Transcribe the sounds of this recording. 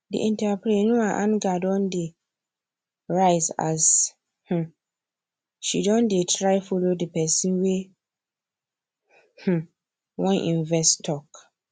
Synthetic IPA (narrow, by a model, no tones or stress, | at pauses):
dḭʔĩntapɾenũaʔãnɡadɔ̃nde | ɹaɪza̰s | h̩ | ʃidɔ̃ndetʰɾaɪfolodipɛsĩnwe | h̩ | wɔ̃nʔḭ̃nvɛstʰɔk